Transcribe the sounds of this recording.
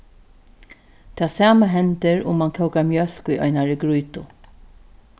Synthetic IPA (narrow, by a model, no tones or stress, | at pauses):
t̪ʰɛːsaːmaɦɛnt̪ɪɹʊ̰mːankʰɔwkamjœl̥kʊjʔɔ̰ʏnaɹɪɡɾujt̪ʊ̰